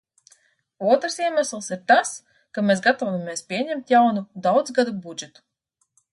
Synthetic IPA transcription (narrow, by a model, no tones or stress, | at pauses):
uɔt̪ɾsiɛmæslˠsiɾt̪as | kameːsɡat̪ɔvamʲeɛspʲiɛɲɛmt̪ʲjawnud̪awd̪zɡad̪ubud͡ʒɛt̪u̥